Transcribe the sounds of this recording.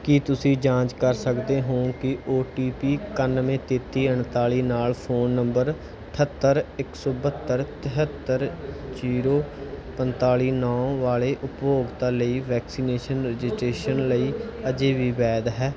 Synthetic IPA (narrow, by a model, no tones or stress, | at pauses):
kiːt̪ʊsĩːd͡ʒãːɲt͡ʃkəɾsəkd̪eːɦoːnkɪoːʈiːpiːkənmẽːt̪eːt̪iːəɳt̪aːɭiːnaːlpʰoːnːəmbəɾ | ʈʰət̪ːəɾɪksɔːbət̪ːəɾt̪ɪɦət̪ːəɾt͡ʃiːɾoːpənt̪aːɭiːnɔːʋaːɭeːʔʊpjoːɡt̪ãːləiːʋɛːksiːneːʃənɾɛd͡ʒɪsʈɾeːʃənləiːəd͡ʒeːʋiːbɛːd̪ɦɛː